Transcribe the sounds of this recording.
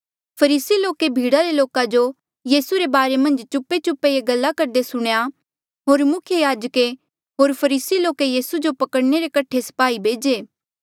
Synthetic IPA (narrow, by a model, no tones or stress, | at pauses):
pʰɐɾiːsiloːkebʱiːɽaɾeloːkãd͡ʒo | jiːsuɾebaːɾemɐ̃nd͡ʒt͡ʃʊpːet͡ʃʊpːejeɡɐlːakɐɾd̪esʊɽ̃ja | ɦoːɾmʊkʰjəjaːd͡ʒəke | ɦoːɾpʰɐɾiːsiloːkejiːsud͡ʒopɐkəɽneɾekɐʈʰːesɐ̥paːibʱeːd͡ʒeː